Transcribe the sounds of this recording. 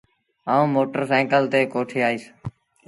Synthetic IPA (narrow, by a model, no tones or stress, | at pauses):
aːũːmoːʈəɾsɛːkəlt̪eːkoːʈʰeːaːiːs